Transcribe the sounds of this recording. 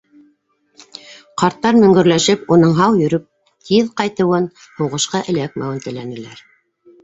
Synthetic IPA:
qɑɾt̪ːɑɾmɵ̆ŋɡɵ̆ɾlæʃɘpunɤɴɦɑwjɵ̆ɾɵp̚ | t̪ʰiðqɑjt̪ɤ̆wɤn | hŭʁɤ̆ʃqɑʔɘ̆læk̚mæwɘnt̪ɘ̆lænɘ̆læɾ

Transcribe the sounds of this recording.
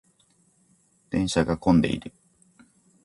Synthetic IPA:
t̪ẽ̞ɰ̃ɕaɡakõnd̪e̞̰ḭɾɯ̟

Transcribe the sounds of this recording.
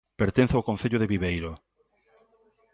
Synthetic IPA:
peɾt̪ẽn̟θaokõn̟θeʎʊðɪβiβejɾo

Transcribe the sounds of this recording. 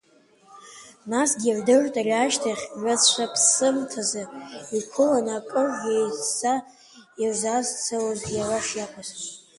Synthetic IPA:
nasɡʲiʕdɨrtʼarʲaʃtʰaχʲɥʷat͡st͡ʃʷapʰsɨmtʰazɨikʷʰolonakʼɨrejsa | jazazt͡sʰalozjaraʂjapʷʰas

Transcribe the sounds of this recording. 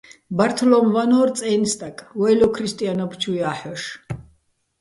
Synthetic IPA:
baɾt̪ʰɔlɔmvanɔɾt͡sʼɛjnst̪ʼakʼwɛjlɔkʰɾist̪ʼianɔpʰt͡ʃʰujaħɔʃ

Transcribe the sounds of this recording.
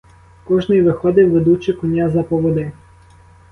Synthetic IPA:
kɔʒnɪjʋɪxɔd̪ɪwʋed̪ut͡ʃɪkɔnʲazɐpɔʋɔd̪ɪ

